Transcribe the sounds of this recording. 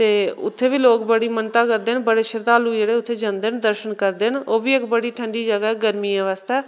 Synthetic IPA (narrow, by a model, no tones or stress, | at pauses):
t̪eːʊ̰t̪ʰːeːʋiːloːkbəɽiːmənt̪aːkəɾd̪eːnbəɽeːʃəɾt̪aːluːd͡ʒeːɽeːʊt̪ʰːeːd͡ʒãnd̪eːnd̪əɾʃənkəɾd̪eːnoːʋiːɪkbəɽiːʈʰə̃ɳɖiːd͡ʒəɡɛɡəɾmiːə̃ʋaːst̪ɛː